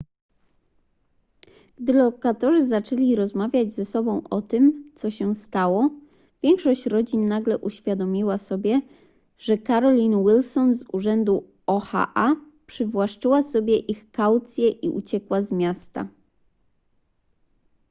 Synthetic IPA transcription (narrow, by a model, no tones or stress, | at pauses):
ɡ̥d̪ɘlɔkat̪ɔʐɘzat͡ʂɛlʲiɾɔzmavʲjad͡ʑzɛsɔbɔ̃w̃ʔɔt̪ɘmt̪sɔɕɛst̪awɔ | vʲjɛŋkʂɔɕt͡ɕɾɔd͡ʑinːaɡlɛʔuɕfʲjad̪ɔmʲiwasɔbʲjɛ | ʐ̥ɛkaɾɔlʲinwilsɔnzuʐɛnd̪u | ɔxa̰ʔa | pʂɘvwaʂt͡ʂɘwasɔbʲjɛʔixkawt̪sʲjɛʔḭʔṵt͡ɕɛkwazmʲjast̪a̰